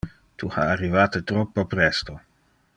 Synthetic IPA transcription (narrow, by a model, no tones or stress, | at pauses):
t̪ʰuha̰ːrːivaːt̪et̪ɾɔpːopɾɛst̪o